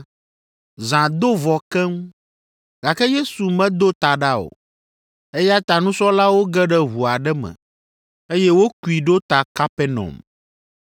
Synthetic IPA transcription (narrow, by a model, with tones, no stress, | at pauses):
zã˨d̪o˦vɔ˨kɛ˦ŋũ˦ | ɡa˨kɛ˦je˦su˨mɛ̃˦d̪o˦t̪a˨ɖa˦o̰˨ | e˦ja˦t̪a˨nũ˦sɔ˦la˦wo˦ɡɛ˦ɖɛ˦βu˨a˨ɖɛ˦mɛ̰̃˨ | e˦jɛ˦wo˦ku˦˨i˨ɖo˦t̪a˨ka˦pɛ˦nɔ̰˨m